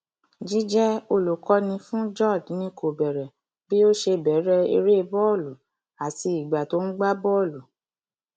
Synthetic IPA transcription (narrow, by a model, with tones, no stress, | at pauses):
d͡ʒi˨˦d͡ʒɛ˦o˧lu˨kɔ˧nĩ˧fũ˦d͡ʒɔ˦˨dnĩ˧ko˨bɛ˨ɾɛ˨ | bi˦o˦ʃe˧bɛ˨˦ɾɛ˧˦ḛ˧ɾe˦˧bɔ˦˨lu˨ | a˨ti˧i˨ɡ͡ba˨to˨˦ñ̩˦ɡ͡ba˦bɔ˦˨lu˨